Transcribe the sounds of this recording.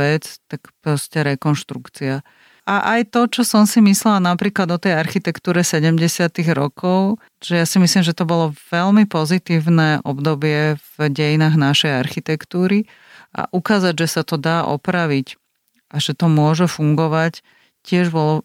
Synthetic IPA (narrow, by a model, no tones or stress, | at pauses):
ɛt͡st̪akpɾɔscɛɾɛkɔnʃt̪ɾukt͡sia | aʔajt̪ɔt͡ʃɔsɔmsimislɛlanapɾiːklad̪ɔt̪ɛjaɾxit̪ɛkt̪uːɾɛsɛɟɛmɟɛsɪat̪iɣɾɔkɔʊ | ʒ̥ɛjaːsimislimʒɛt̪ɔbɔlɔʋɛlmipɔzit̪iːʊnɛʔɔbd̪ɔbɪɛvɟɛjinaːɣnaʃɛjaɾxit̪ɛkt̪uːɾi | ʔa̰ʔukaːzaɟʒɛsat̪ɔd̪aːʔɔ̰pɾaʋic | ʔaʒɛt̪ɔmʊɔʒɛfuŋɡɔʋac | cɪɛʒbɔlɔ